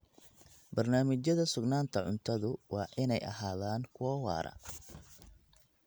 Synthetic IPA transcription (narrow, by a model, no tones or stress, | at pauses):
bɐrnaːmɪt͡ʃɐðɐsʊɡnaːnt̪ʰɐʕʊnt̪ʰɐðʊwɑːʔɪnɛjʔɐ̰ɦaːðaːŋkʰʊɔwɑ̰ːɾɐ̰